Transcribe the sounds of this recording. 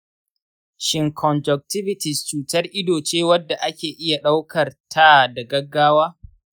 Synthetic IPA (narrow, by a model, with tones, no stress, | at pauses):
ʃɪ˨ŋkʰɔ˨nd͡ʒɔ˨k̚tɪ˦vɪ˨tɪ˨st͡ʃuː˨tɐ˦rʔɪ˦doː˨t͡ʃeː˦wɐ˦dːa˨ʔa˦kʲeː˨ʔɪ˦ja˨ɗa˦wkʰɐ˨rtʰa˦da˨ɡɐ˦ɡːaː˦waː˦